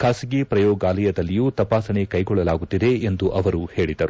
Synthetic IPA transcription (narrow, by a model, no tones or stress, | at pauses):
kʰaːsiɡipɾɐjɔːɡaːlɐjɐd̪ɐlːijuːt̪ɐpaːsɐɳekɐjɡɔɭːɐlaːɡut̪ːid̪e̞end̪uʔɐʋɐɾuhe̞ːɭid̪ɐɾu